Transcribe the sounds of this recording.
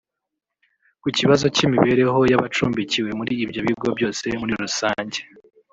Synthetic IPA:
kuciβazo̞cimiβe̞ɾe̞ɦo̞jaβat͡ʃuːmbiciwe̞muɾiːbjo̞βiɡo̞bɟo̞ːse̞muɾiɾusaːɲɟe

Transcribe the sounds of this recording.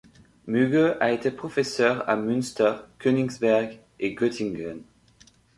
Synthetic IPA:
myɡøʔaet̪epχɔfesœʁa̰mynst̪əʁkøniŋzbɛʁɡ | eɡøt̪iŋɡən

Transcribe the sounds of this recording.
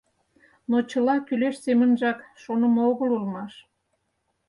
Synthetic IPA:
not͡ɕəlɑkyleʃsemənʒɑkʃonə̆mɑoɣəlulmɑʃ

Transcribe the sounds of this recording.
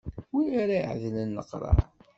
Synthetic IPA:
wijaɾaiʕðlənːəqɾˤɑ̰

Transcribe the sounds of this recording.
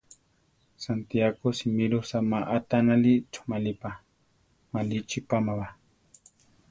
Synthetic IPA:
sant̪iaɡosimilosamaʔat̪analit͡ʃʊ̥malipa | malit͡ʃipamaba

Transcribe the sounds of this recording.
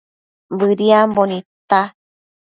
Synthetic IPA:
bɨɾiambonĩt̪a

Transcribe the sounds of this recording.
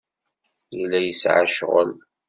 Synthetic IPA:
jəlːæjəsʕa̰ʃʁə̰l

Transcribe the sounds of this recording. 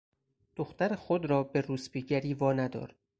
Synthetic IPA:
d̪̥oxt̪æɾexod̪ɾɒːbe̞ɾuːsbiːɟæɾiːvɒːnæd̪ɒ̰ːɾ

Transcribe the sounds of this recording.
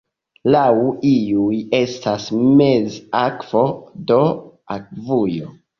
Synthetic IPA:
lawiuje̞stasmezakv̥o̞do̞ | ak̚vujo

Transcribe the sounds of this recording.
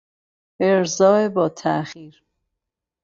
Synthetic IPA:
ʔeɾzɒːebɒːt̪ʰæʔxiːɾ

